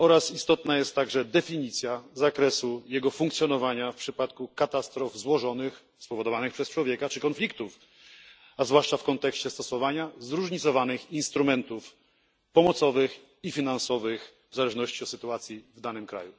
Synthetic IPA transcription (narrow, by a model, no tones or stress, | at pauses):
ɔɾasist̪ɔt̪najɛst̪ːaɡʐɛd̪ɛfʲiɲit̪sʲjazakɾɛsujɛɡɔfuŋkt̪sʲjɔnɔvaɲafpʂɘpat̪kukat̪ast̪ɾɔvzwɔʐɔnɘx | spɔvɔd̪ɔvanɘxpʂɛst͡ʂwɔvʲjɛkat͡ʂɘkɔnflʲikt̪uf | azvwaʂt͡ʂafkɔnt̪ɛkɕt͡ɕɛst̪ɔsɔvaɲazɾuʐɲit̪sɔvanɘxinst̪ɾumɛnt̪uf | pɔmɔt̪sɔvɘx | ifʲinansɔvɘx | vzalɛʐnɔɕt͡ɕiɔt̪sɘt̪uat̪sʲjivd̪anɘmkɾa̰ju